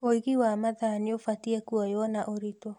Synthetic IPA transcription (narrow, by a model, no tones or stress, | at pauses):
oiɣiwamaðaːniofatiɛkuɔjɔnaʔoɾitɔ